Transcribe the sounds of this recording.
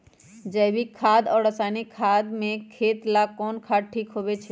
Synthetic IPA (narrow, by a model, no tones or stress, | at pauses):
d͡ʒəbʱikʰaːd̪ɔːɾɾəsaːnikʰaːd̪mẽkʰeːt̪lakɔːnkʰaːd̪̚ʈʰiːkɦoʋet͡ʃʰe